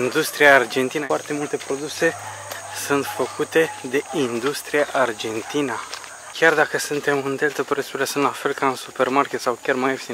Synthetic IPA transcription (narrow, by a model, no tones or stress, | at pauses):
ind̪ust̪ɾijaːrd͡ʒe̞nt̪inəart̪e̞mult̪e̞pɾo̞d̪use̞ | sunt̪fəkut̪e̞d̪e̞ind̪ust̪ɾijaʔard͡ʒe̞nt̪inə | kʲʰard̪akəsunt̪e̞mɨnd̪elt̪əpɾesuɾiasɨnt̪lafe̞lkaɨnsupermarkʲe̞t̪sawkʲarmajefi̥